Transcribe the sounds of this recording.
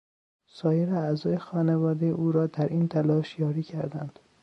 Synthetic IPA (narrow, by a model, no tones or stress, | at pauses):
sɒːjeɾeæzɒːjexɒːnevɒːd̪ejeʔuːɾɒːd̪æɾʔiːnt̪ʰælɒːʃjɒːɾiːcʰæɾd̪æ̰nd̪̥